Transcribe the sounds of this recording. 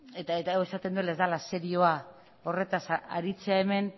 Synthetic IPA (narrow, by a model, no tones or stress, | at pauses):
et̪aet̪aawe̞sat̪e̞nd̪uelaezd̪alase̞ɾio̞a | o̞re̞t̪asaa̰ɾit͡se̞ae̞me̞n